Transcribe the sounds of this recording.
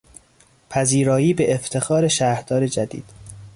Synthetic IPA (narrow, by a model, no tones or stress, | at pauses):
pʰæziːɾɒːjiːbeʔeft̪ʰe̞xɒːɾe̞ʃæːhɾd̪̥ɒːɾe̞d͡ʒæd̪ḭːd̪̥